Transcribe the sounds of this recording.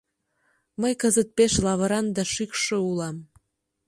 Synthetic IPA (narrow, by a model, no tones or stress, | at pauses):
məjkəzət̪̚peʃlɑβəɾɑnd̪ɑʃykʃoulɑm